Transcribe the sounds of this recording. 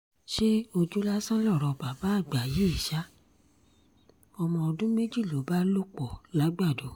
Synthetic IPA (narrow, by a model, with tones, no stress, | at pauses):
ʃe˦o˧d͡ʒu˦la˦sã˦lɔ˦˨ɾɔ˧˨ba˨ba˨˦a˦˨ɡ͡ba˨je˨˦i˦˨ʃa˦ | ɔ˧mɔ̃˧˨ɔ˧dũ˦me˦d͡ʒi˦˨lo˨˦ba˦lo˦k͡pɔ˨la˨˦ɡ͡ba˦˨do˨˦